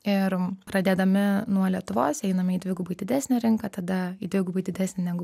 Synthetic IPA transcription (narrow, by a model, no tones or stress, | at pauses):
ɪɾpɾɐd̪ʲeːd̪ɐmʲɪnuɔlʲiɛt̪ʊʋoːsɛɪnɐmʲɪiːd̪ʲʋʲɪɡʊbɐɪd̪ʲɪd̪ʲæːsʲnʲæɾʲɪŋkɐt̪ɐd̪ɐiːd̪ʋʲɪɡʊbɐɪd̪ʲɪd̪ʲæːsʲnʲɪnʲæɡʊ